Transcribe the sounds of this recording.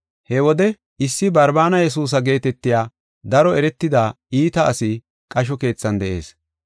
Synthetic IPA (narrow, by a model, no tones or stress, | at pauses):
hɛwɔd̪ɛ | ɪsːɪbɐɾbaːnɐjɛs̬uːs̬ɐɡe̞ːt̪ɛt̪ːɪjaː | d̪ɐɾɔɛɾɛt̪ːɪd̪aː | iːt̪ɐːsɪ | kʼɐʃ̬ɔke̞ːt͡sːɐnd̪ɛʔe̞̰ːs